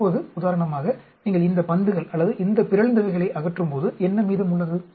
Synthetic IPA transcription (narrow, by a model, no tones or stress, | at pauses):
oːðɯʊðaːɾɐɳɐmaːɣɐ | niːŋɡɐɭɪnd̪ɐpɐnd̪ɯɣɐɭɐlːɐðɯʔɪnd̪ɐpɪɾɐɭnd̪ɐʋɐɪɣɐɭɐɪʔɐɣɐʈːrɯmpoːðɯɛnːɐmiːðɯmʊɭːɐðɯ